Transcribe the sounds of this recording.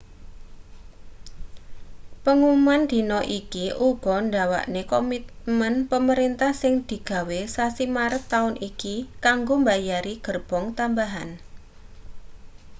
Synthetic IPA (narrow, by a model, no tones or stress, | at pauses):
pəŋumand̪̥i̤nɔʔikiʔub̥ɔɳɖawa̰ʔnekɔmit̪̚mənpəməɾint̪ahsɪŋd̪̥i̤ɡ̥a̤wesasimaɾət̪ːaʊnikikaŋɡombajaɾiɡ̥ərb̥ɔŋt̪ambaɦan